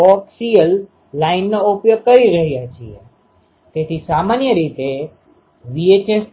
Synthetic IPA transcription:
ɔksijəlː | ainːoupjoɡ̚kəɾiɾəɦjat͡ʃʰiḛ | t̪et̪ʰisamanjəɾit̪e | ʋiet͡ʃes

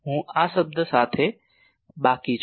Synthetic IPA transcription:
ɦũːaːsəb̚d̪ʱəsaːt̪ʰe | ɓaːkit͡ʃʰ

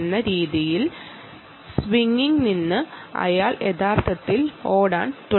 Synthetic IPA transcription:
nːɐɾiːðijil | sʋiŋːiŋɡninːɨɐ̰jaːɭe̞ðaːrt̪ʰɐt̪ːilo̞ːɽa̰ːɳt̪u

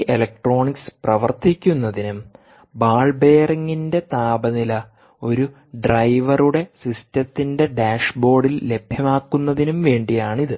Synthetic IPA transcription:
ʔelɐk̚ʈro̞ːɳiksprɐʋɐrt̪ikʲːunːɐðinum | baːɭbe̞ːrɐŋːinde̞t̪aːbɐnilɐ | o̞ɾu | ɖrɐjʋɐruɽe̞sistɐt̪ːinde̞ɖaːʂbo̞ːɖilːe̞bʱjɐmaːkːunːɐðinumʋe̞ːɳɖijaːɳiðɨ

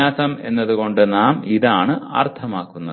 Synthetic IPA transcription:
aːsɐme̞nːɐðuko̞ɳɖɨnaːmiðaːɳɨa̰rt̪ʰɐmaːkːunːɐð

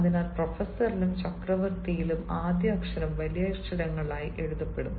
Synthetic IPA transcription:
ɐðinaːlprofɐsːɐrilumt͡ɕɐkrɐʋɐrt̪ijilumaːd̪jɐɐkʂɐɾɐmʋɐlijɐjʂʂɐɾɐŋːɐɭaːjiʔe̞ɻuðɐpːe̞ɽunːu

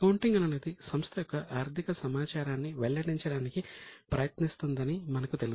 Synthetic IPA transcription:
kɐwɳʈiŋɡɐnɐneːd̪isɐmst̪ʰɐjɔkːɐʔaːɾt̪ʰikɐsɐmaːt͡ʃaːɾaːnːiʋɛɭːɐɽiɲt͡ʃɐɽaːnikipɾɐjɐt̪nist̪und̪ɐnimɐnɐkut̪elu

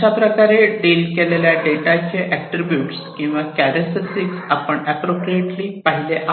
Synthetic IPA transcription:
apɾəkaɾeɖelkeleljaɖeʈat͡ɕʰeʔækʈɾibjuːʈskĩw̃ʋakæɾesəsiksapəɳɛpɾopɾieʈliːpaɦileʔa

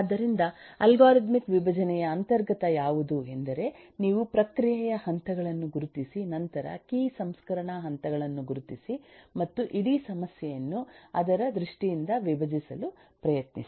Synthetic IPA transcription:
d̪ɐɾind̪ɐɐlɡaːɾid̪mikʋibʱɐd͡ʒɐnɛjɐːnt̪ɐɾɡɐt̪ɐjaːʋud̪uend̪ɐɾe̞ | niːʋupɾɐkɾijɛjɐhɐnt̪ɐɡɐɭɐnːuɡuɾut̪isinɐnt̪ɐɾɐ̰kiːsɐmskɐɾɐɳɐɦɐnt̪ɐɡɐɭɐnːuɡuɾut̪isimɐt̪ːuʔiɽisɐmɐsjɛjɐnːuɐd̪ɐɾɐd̪ɾuʂʈijind̪ɐʋibʱɐd͡ʒisɐlu | pɾɐjɐt̪ni

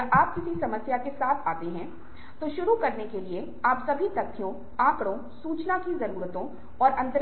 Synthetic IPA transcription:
aːp̚kɪsisɐməsjakesaːt̪ʰaːt̪eɦɛ̃ | t̪oʃʊɾukɐɾnekelie | aːpsɐbʱit̪ɐt̪ʰijõ | ãːkɽõ | suːt͡ʃnakizɐɾuːɾət̪õ | ɔːɾʔɐ̃nt̪ɾ

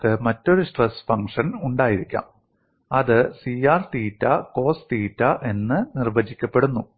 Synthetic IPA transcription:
kɨmɐtːo̞ɾuʂʈresfɐŋkʂɐnuɳɖaːjiɾikʲːa̰ːm | ɐðɨsiaːrt̪iːtːɐko̞ːst̪iːtːɐʔe̞nːɨnirʋɐd͡ʑikʲːɐpːe̞ɽunːu

